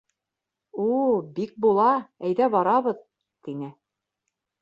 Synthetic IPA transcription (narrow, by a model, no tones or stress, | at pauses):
ulbik̚bulˠɑæjðæbɑɾɑβɤð | t̪inɘ